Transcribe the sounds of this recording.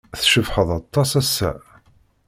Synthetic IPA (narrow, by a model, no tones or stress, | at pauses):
θʃəvħəðˤɑt̪ˤːɑsæsːæ̰